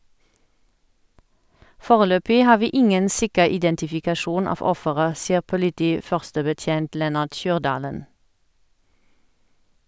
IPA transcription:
ˈfoːʁəˌløːpɪ ˈhɑː ˈʋiː ˈɪŋən ˈsɪkəʁ ɪdɛntɪfɪkɑˈʃuːn ˈɑːf ˈɔfəʁə ˈsiːəʁ pʊlɪˈtiːˌfœʁstəbəˌtjeːnt ˈlɛnɑʁt ˈʃyːʁˌdɑːlən

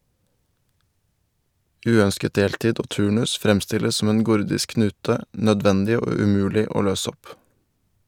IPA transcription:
ˈʉːœnskət ˈdeːltiːd ˈoː ˈtʉːɳʉs ˈfɾɛmstɪləs ˈsɔm ˈeːn ˈɡʊɾdɪsk ˈknʉːtə nœˈdʋɛndɪ ˈoː ʉˈmʉːlɪ ˈoː ˈløːs ˈɔp

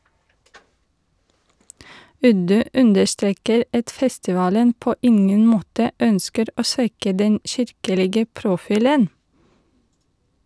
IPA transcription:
ˈʉdʉ ˈʉndəɾˌstɾeːkəɾ ˈɑt ˈfɛstɪˌʋɑːlən ˈpoː ˈɪŋən ˈmoːtə ˈœnskəɾ ˈoː ˈsʋɛkə ˈdɛn ˈçɪɾkəlɪɡə pɾʊˈfiːlən

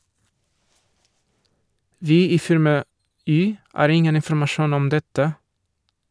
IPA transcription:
ˈʋiː ˈiː ˈfɪɾmɑ ˈyː ˈɑːɾ ˈɪŋən ɪnfɾ̩mɑˈʃuːn ˈɔm ˈdɛtə

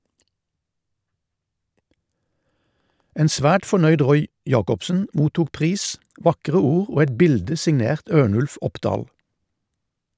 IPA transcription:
ˈeːn ˈsʋæːʈ fɔˈɳœʏd ˈʁɔʏ ˈjɑːkɔpsn̩ ˈmuːtuːk ˈpʁiːs ˈʋɑkʁə ˈuːʁ ˈoː ˈɛt ˈbɪldə sɪŋˈneːʁt ˈøːɳʉlf ˈɔpdɑːl

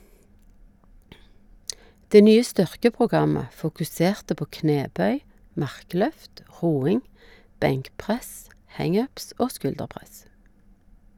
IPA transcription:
ˈdeː ˈnyːə ˈstʏʁkəpʁʊˌɡɑmə fʊkʉˈseːʁtə ˈpoː ˈkneːˌbœʏ ˈmɑʁˌklœft ˈʁuːɪŋ ˈbɛŋkˌpʁɛs ˈhæŋ ˈœps ˈoː ˈskʉldəˌpʁɛs

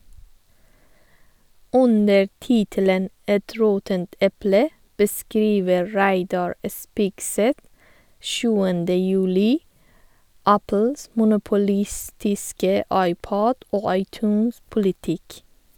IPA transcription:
ˈʔʉnə ˈtiːtələn ˈɛt ˈɾoːtənt ˈɛplə bəˈskɾiːʋə ˈɹæɪdɑɹ ə ˈspɪɡˌsɛt ˈʃʉːəndə jʉˈliː ˈæpl̩s mʊnʊpʊˈlɪstɪskə ˈɑɪˌpoːd ˈoː ɑɪˈtʉːnspʊlɪˌtɪk

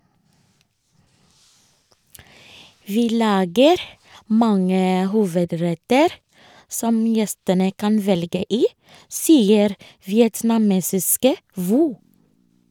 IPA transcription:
ˈʋiː ˈlɑːɡəɾ ˈmɑŋə ˈhuːʋəˌdɹɛtəɾ ˈsɔm ˈjɛstənə ˈkɑn ˈʋɛlɡə ˈiː ˈsiːəɾ ʋɪɛtnɑˈmeːsɪskə ˈʋuː

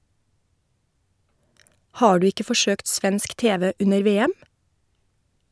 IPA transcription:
ˈhɑː ˈɖʉː ˈɪkə fɔˈʃøːkt ˈsʋɛnsk ˈteːʋɛ ˈʉnəɾ ˈʋeːɛm

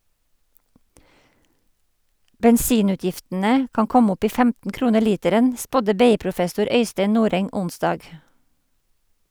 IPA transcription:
bɛnˈsiːˌnʉːtjɪftn̩ə ˈkɑːŋ ˈkɔm ˈɔp ˈiː ˈfæmtn̩ ˈkɾuːnəɾ ˈliːtəɾən ˈspɔdə ˈbeːˌiːpɾʊˌfɛsʊɾ ˈœʏsteɪ ˈnuːɾɛŋ ˈʊnsdɑːɡ

